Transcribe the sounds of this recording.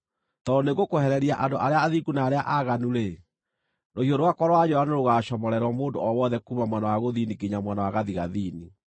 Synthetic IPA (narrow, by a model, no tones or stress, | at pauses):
tɔdoneɡokohɛɾɛɾiaʔandoʔaɾeaːðiɡunaːɾeaʔaɣanuɾe | nohioɾowakɔɾɔwad͡ʑoanoɾoɣaːʃɔmɔɾɛɾwɔmoːndo̰ɔwɔðɛkumamwɛnawaɣoðiːnikiɲamwɛnawaɣaðiɣaðiːni